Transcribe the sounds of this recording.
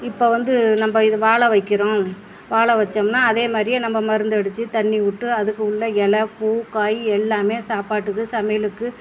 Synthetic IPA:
ɪpːoːʋɐnd̪ɯnɐmbɐɪðɯʋaːɭɐʋɐɪkːɪɾõː | ʋaːɭɐʋɐt͡ʃːɐmnaːɐðeːmaːd̪ɾɪjẽnɐmbɐmɐɾɯnd̪ɐɽɯt͡ʃːɯt̪ɐɳːiʊʈːɯɐðɯkːɯʊɭːɐɛlɐpuːkaːjiɛlːaːmeːsaːpaːʈːɯkːɯsɐmɐjɐlɯkːɯ

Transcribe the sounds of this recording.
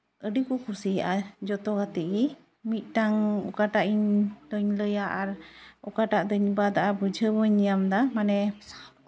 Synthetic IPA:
ʔəɖikukusijaʔad͡ʒɔt̪ɔɡat̪iɡi | mit̪̚ˀʈaŋṵkaʈaʔiɲd̪ɔɲləjaʔaɾɔkaʈaʔd̪ɔɲbad̪aʔabəd͡ʒʱəwɔɲijamd̪amanɛ

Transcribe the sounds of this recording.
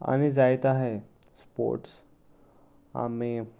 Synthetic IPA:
a̰ñid͡zajt̪aɦe | spo̰ɾʈs | a̰mi

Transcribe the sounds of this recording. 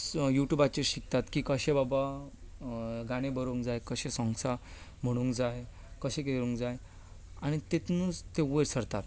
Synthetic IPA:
juʈjubat͡ɕeɕik̚t̪at̪kiːkəɕẽbaba | ɡaɽ̃ebəɾuŋkd͡zajkəɕẽsɔ̃ŋsa | m̤əɽ̃ũŋkd͡zaj | kəɕẽkeɾũŋkd͡zaj | aɽ̃it̪et̪nut͡st̪eʋəɾsəɾt̪aɾ

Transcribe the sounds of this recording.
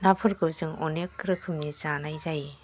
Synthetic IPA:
napʰɯɾɡɯwzɯŋɔnekːɯɾɯkʰɯmnizanajzaj

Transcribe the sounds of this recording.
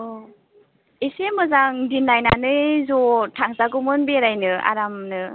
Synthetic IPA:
esemɯzaŋdinːajnanɯjzɔtʰaŋzaɡɔmɯnbeɾajnɯa̰ɾamnɯ

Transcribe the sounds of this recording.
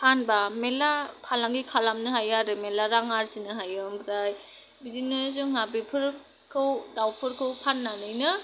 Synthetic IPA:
anbamelakʰalaŋɡikʰalamnɯɦajaɾɯmelaɾaŋaɾsinɯɦajɯmbɯɾaj | bidinɯzuŋŋabipʰɯɾ | kʰɯwdawpʰɯɾkʰɯwpʰanːanɯjnɯ

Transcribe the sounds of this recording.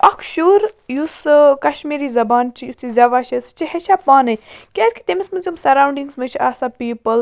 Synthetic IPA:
ɐkʰʃuɾjuskɐʃmiːɾizɐbaːnt͡ʃʰijut̪izʲɐʋaːʃɐst͡ʃiheʃapaːnɨkʲasʲkʲi̥t̪emismɨzʲumsɐɾawɳɖiŋsmɨt͡ʃʰiaːsapiːpəl

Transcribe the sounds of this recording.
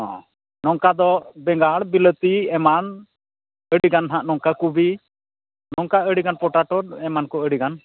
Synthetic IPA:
ɔ̰̃ | nɔŋkad̪ɔbɛŋɡaɽbilət̪iɛman | əɽiɡanɦãʔnɔŋkakubi | nɔŋkaəɽiɡanpɔʈaʈɔd̚ɛmankɔəɽiɡan

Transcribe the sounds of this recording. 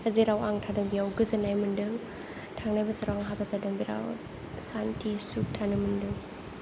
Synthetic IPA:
ɐziɾawaŋtʰadɯŋbiawɡɯzɯnajmɯndɯŋ | tʰaŋnajbɐsaɾaaŋɦabazadɐŋbiɾa̰w | santisuk̚tʰanɯmɯndɯŋ

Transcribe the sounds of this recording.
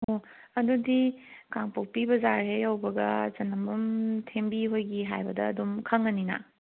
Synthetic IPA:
o | ɐdudikaŋpok̚pibɐzaɾɦejɐwbɐɡɐ̰t͡ʃɐnɐmbɐmtʰembiɦojɡiɦa̰jbɐdɐːdumkʰɐŋɐninɐ̰

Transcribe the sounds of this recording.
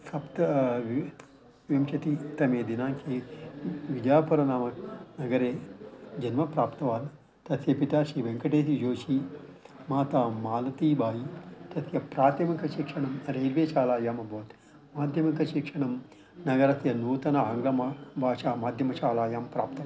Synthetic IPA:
sɐpt̪ɐʋ | ʋimt͡ʃɐt̪it̪ɐmeːd̪inaːŋkʰeː | ʋid͡ʒjaːpɐɾɐnaːmɐknɐɡɐɾeːd͡ʒɐnmɐpɾaːpt̪ɐʋaːn | t̪ɐt̪ʰepit̪aːʃiːʋeŋkɐʈeːt̪id͡ʒoːʃi | maːt̪aːmaːlɐt̪iːbʱaːjit̪ɐt̪ʰjɐpɾaːt̪jɐmɐkɐʃikʂɐɳɐmɾejɾʋeːt͡ʃaːlaːjaːmɐbʱoːt̪ | maːd̪ʱjɐmɐkɐʃikʂɐɳɐm | nɐɡɐɾɐt̪ʰjɐnuːt̪ɐnɐɦɐŋɡɾɐmɐbʱaːʃaːmaːd̪ʱjɐmɐt͡ʃaːlaːjaːmpɾa̰ːpt̪ɐ

